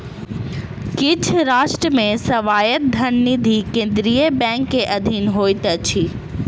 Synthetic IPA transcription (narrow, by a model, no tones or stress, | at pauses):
kɪt͡ɕʰɾaːʃʈɾəmẽsɐʋaːjət̪̚d̪ʱɐnniːd̪ʱikẽːn̆d̪ɪɾiəbɛ̃ːŋkːeʔɐd̪ʱiːnɦoːit̪ɐt͡ɕʰiː